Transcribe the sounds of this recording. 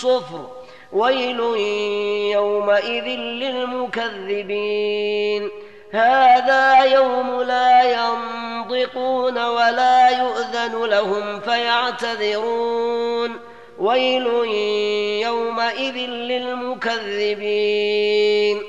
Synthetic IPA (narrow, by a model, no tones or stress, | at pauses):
sˤʊfɾ | wajlʊ | jawmaʔɪðɪnlɪlmʊkaðːɪbiːn | haːðaːjawmʊlaːjɑnt̪ˤɪquːnawalaːjʊʔðanʊlahʊmfajaʕt̪aðɪɾuːn | wajlʊ | jawmaʔɪðɪnlɪlmʊkaðːɪbiː | n